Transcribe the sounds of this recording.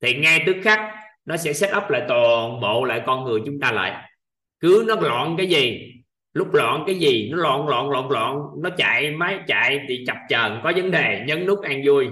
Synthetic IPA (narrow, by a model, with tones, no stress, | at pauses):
t̪ʰi˨˩ŋa˧jt̪ɨ˦˥ək̚xa˦˥k̚ | nɔ˨˦sɛ̰˧˥sɛ˦˥t̚ʔə˦˥p̚la̰ː˧˨jt̪wɔ˨˩nɓo̰˧˨la̰ː˧˨jkɔ˧nŋɨ˨˩əjt͡ɕʊ˨˦ŋ͡mt̪aː˧la̰ː˧˨j | kɨ˨˦nɔ˨˦lɔ̰˧˨nkaː˨˦jzi˨˩ | lʊ˦˥k͡p̚lɔ̰ː˧˨nkaː˨˦jzi˨˩nɔ˨˦lɔ̰ː˧˨nlɔ̰ː˧˨nlɔ̰ː˧˨nlɔ̰ː˧˨nnɔ˨˦t͡ɕa̰ː˧˨jmaː˨˦jt͡ɕa̰ː˧˨jt̪ʰi˨˩t͡ɕa˨˩p̚t͡ɕəː˨˩nkɔ˨˦və˨˦nɗe˨˩ɲə˨˦nnu˦˥k̚ʔaː˧ŋzu˧əj